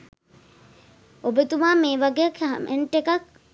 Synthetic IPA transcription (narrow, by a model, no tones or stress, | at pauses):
obet̪umaːmeːʋaɡejakmʔḛɳʈekak̚